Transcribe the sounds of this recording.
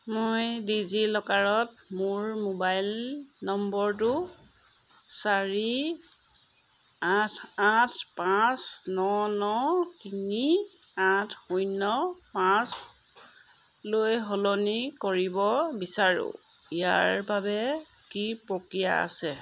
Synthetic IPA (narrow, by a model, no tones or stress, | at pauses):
mojdizilɔkaɹɔt̚mʊɹmobajlnɔmbɔɹtʊ | saɹi | atʰatʰpãsnɔnɔtiniatʰxujnɔpãs | lojɦolonikoɹibɔbisaɹʊ̰̃ | ija̰ɹbabɛ | kipɹokɹija̰a̰sɛ